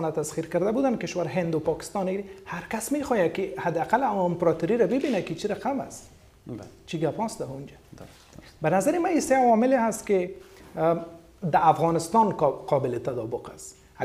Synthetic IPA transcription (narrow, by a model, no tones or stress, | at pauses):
nat̪asχiɾkaɾd̪abud̪ankɪʃwaɾɦɪnd̪ʊpɒkɪ̥st̪ɑnehaɾkasmexɔjakɪhad̪ɪaqalammpɾɔt̪uɾiɾabɪbinakɪt͡ʃʰiɾaqama̰s | t͡ʃʰiɡapɔsd̪aund͡ʒa | bɪnazaɾɪmaiseawɔmɪleɦast̪kɪ | d̪aːfɣɔnɪst̪ɔnqʰɔbɪlɪt̪ad̪ɔbʊqas